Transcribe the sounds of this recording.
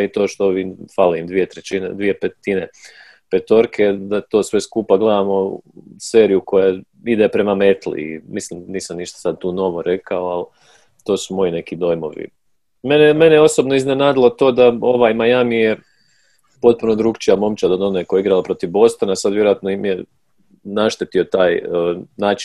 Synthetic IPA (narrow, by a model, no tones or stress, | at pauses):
it̪o̞ːʃt̪oʋifalimd̪ʋije̞t̪ɾet͡ɕined̪ʋije̞pet̪ine | pet̪o̞ɾkʰe̞d̪at̪o̞ːsʋe̞skuːpaɡle̞d̪amose̞ːɾijuko̞ja | id̪epɾe̞mame̞t̪lḭḭmislimniːsamniːʃt̪ḁsad̪̚t̪uːno̞ʋo̞ɾe̞kʰaoal | t̪o̞ːsumo̞ine̞kid̪o̞jmo̞̰ʋḭ | meneme̞nejeo̞so̞bnoiznenaːd̪ilˠo̞t̪o̞ːd̪ao̞ʋajmajamije | po̞t̪̚punod̪ɾuːɡt͡ʃijamo̞mt͡ʃad̪od̪onekojeiɡɾalopɾo̞t̪iʋbo̞st̪onasad̪ʋje̞ɾoat̪noimje | naʃt̪et̪io̞t̪aːjnaːt͡ʃin